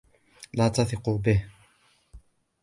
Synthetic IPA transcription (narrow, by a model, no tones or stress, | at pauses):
laːt̪aθɪquːbɪh